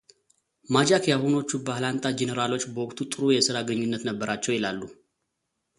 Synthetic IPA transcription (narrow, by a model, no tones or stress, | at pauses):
mad͡ʒakjahuno̞t͡ʃːubahlant̪ʼad͡ʒɛnəɾalo̞t͡ʃːbəwɔkʼt̪ʰut̪ʼɨɾujɛsɨɾaɡəɲːunːət̪nəbːəɾat͡ʃːɛwjɪlalːu